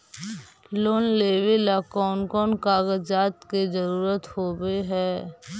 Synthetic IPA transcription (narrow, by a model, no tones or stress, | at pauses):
loːnleːʋelakɔːnkɔːnkaːɡəd͡ʒaːt̪ked͡ʒəɾuːɾət̪hoːbeɦɛː